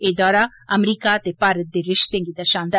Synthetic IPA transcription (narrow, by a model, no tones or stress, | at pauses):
eːd̪ɔːɾa | əmɾiːkat̪epaːɾət̪̚d̪eɾɪʃt̪ẽŋɡid̪əɾʃãːnd̪